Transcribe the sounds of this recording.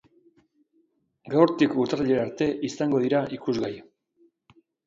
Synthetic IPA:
ɡawɾt̪ikut̪araʎeaɾt̪e̞ʔisaŋɡo̞ð̞iɾaʔikuzɣaj

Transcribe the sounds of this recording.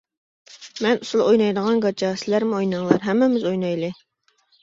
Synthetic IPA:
mɛnusulˠojnɑjd̪əʁɑnɡɑt͡ʃɑsɪlæɾmʊojnɑŋlˠɑɾɦɛmːɪmɪzojnɑjlˠɨ

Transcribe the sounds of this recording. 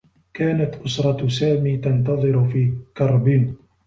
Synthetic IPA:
kaːnat̪ʔʊsɾˤɑsaːmiːt̪ɑnt̪ɑðˤɨɾʊfiːkɑɾˤbɪn

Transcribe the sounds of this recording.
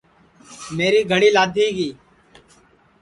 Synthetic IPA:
meːɾiːɡʱəɽiːlaːd̪ʱiɡiː

